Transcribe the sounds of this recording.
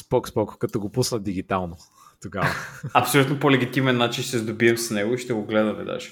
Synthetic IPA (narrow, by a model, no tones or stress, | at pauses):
spɔkspɔkkɐt̪ɔɡopusnəd̪iɡ̟it̪alˠno | t̪oɡavɐɐpsolʲut̪nopolɛɡʲit̪imɛnːat͡ʃinʃt̪ɛzd̪obiɛmsnɛɡoiʃt̪ɛɡoɡlɛd̪ɐmɛ̰d̪a̰ʃ